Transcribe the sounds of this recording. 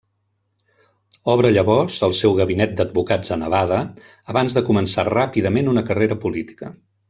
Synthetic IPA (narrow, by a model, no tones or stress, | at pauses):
ɔβɾəʎəβɔrzəlˠsɛwɣəβinɛt̪̚d̪əd̪̚bukad͡zənəβaðəː | βanzðəkumənsarapiðəmenunəkəreɾəpulit̪i̥kə